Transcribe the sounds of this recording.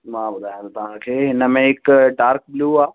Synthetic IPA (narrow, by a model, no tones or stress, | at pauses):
mãːbʊd̪ʱaːjãt̪ːt̪ɐʋ̤ãkʰeːɦɪnə̆mẽɦɪkɖaːɾk̚bɪluːaː